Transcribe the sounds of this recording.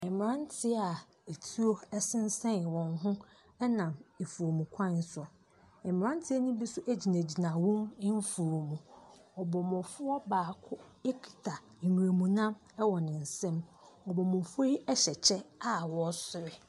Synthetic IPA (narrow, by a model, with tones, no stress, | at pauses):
ɛ˨mɪ˨ɾã˦n˦tʰɪ˦a˨ | e˨tʰi˦o˦ɛ˦sɪ̃˦n̩˦sɛ̃˦n˨wɔ̃˨nɦʊ̃˦ | ɛ˦nã˨me˨fu˨ɾo˨mũ˨kʷʰã˦˨n˦sʊ˨ | ɛ˨mɪ̃˨ɾã˦n˦tʰɪ˦ɛ˦nũ˦bi˦sʊ˦ʔæ˦d͡ʑi˨næ̃˨d͡ʑi˨nã˨wʊ̃˦nɪ˦m˦fu˨ɾo˨mũ˨ɔ˨bɔ˨mʊ̃˨fʊ˦ɔ˦baː˨kʰʊ˦ | e˦kʰi̥˨tʰa˨ | mĩ˨ɾe˨mũ˨nã˦m | ɛ˦wɔ˨nɪ̃˨n̩˨sɛ̃˦m | ɔ˨bɔ˨mʊ̃˨fʊ˦o˦i˦ɛ˦ɕɛ˨t͡ɕʰɛ˦a˦wɔ˦sʊ˨ɾɪ˦